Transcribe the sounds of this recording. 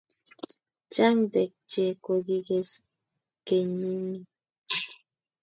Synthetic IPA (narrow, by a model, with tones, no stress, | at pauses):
t͡ʃa˦ŋd̪e˨k̚t͡ʃe˨ko˧ɡi˦ɡe˦s | ke˨ɲi˦ŋi˦